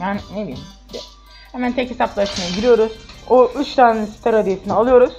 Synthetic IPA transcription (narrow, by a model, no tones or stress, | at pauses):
jaːnɪnebilʲim | d̪ɛ | hemænt̪ʰɛche̞saplˠaʃmajaɟiɾijo̞ɾuz̥oʔyt͡ʃt̪ʰaːnɛsi̥t̪ʰaɾad̪ijesinialˠɯjo̞ɾuz̥